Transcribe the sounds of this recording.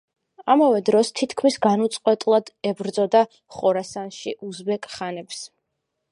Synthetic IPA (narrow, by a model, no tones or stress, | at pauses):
amavɛd̪ɾɔst̪ʰit̪ʰkʰmisɡanut̪sʼqʼwɛt̪ʼlˠad̪̥ɛbɾd̪zɔd̪a | χɔɾasanʃiʔuzbɛkʼχanɛps